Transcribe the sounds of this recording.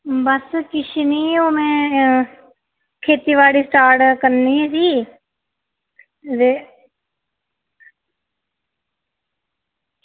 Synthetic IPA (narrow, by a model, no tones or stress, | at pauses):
bəskɪʃniːoːmɛ̃ː | kʰeːt̪iːʋaːɽiːsʈaːɾʈkəɾniːɦɛːsiː | de